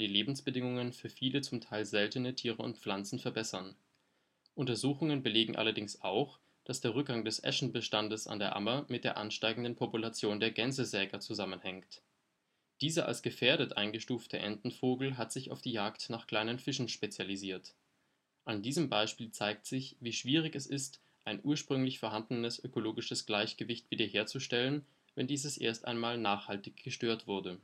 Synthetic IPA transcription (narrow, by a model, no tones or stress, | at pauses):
d̥iːleːbm̩sb̥ədɪŋʊŋənfyːɐfiːlət͡sʊmtʰaɪlzɛltənətʰiːʁəʊ̰ntp͡flant͡sn̩fɛɐbɛsɐn | ʔʊntɐzuːxʊŋənbəleːɡŋ̩ʔa̰lɐdɪŋsʔa̰ʊx | d̥asd̥eːɐʁ̞ʏk̚ɡ̥aŋdɛsʔɛ̰ʃn̩bəʃtandəsa̰ndeːɐʔa̰mɐmɪt̚d̥eːɐʔanʃtaɪɡŋ̩dən̩pʰɔpulat͡sjoːndeːɐɡɛnzəzɛːɡɐt͡suzamənhɛŋkt | d̥iːzəʔa̰lsɡ̥əfeːɐɾətʔaɪnɡəʃtuːftʰəʔɛ̰ntn̩foːɡl̩ɦatz̥ɪça̰ʊfd̥iːjaːktnaːχkl̥aɪnənfɪʃn̩ʃpet͡sjaliziːɐt | ʔandiːzəmbaɪʃpiːlt͡saɪk̚tz̥ɪçviːʃv̥iːʁ̞ɪçɛsɪst | ʔaɪnʔuːɐʃpʁ̥ʏŋlɪçfɛɐɦandənəsʔøkoloːɡɪʃəsɡ̥laɪçɡ̥əvɪçtv̥iːdɐɦeːɐt͡suʃtɛlən | vɛndiːzəsʔḛːɐsta̰ɪnmaːlnaːχhaltɪçɡ̥əʃtøːɐtv̥ʊɐdə